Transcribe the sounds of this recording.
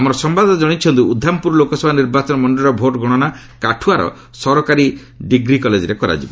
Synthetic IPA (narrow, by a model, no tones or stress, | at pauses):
amɔɾɔsɔmbad̪ɔnad͡ʒɔɽ̃it͡ʃʰɔnt̪uud̪ʱːampuɾɔlokɔsɔbʱaniɾbat͡ʃɔnɔmɔɳɖiɾɔbʱoʈɡʱɔɽ̃ɔna | kaʈʰuaɾɔ̰ | sɔɾɔkaɾi | ɖiɡɾikɔled͡ʒɾekɔɾa̰d͡ʒibɔ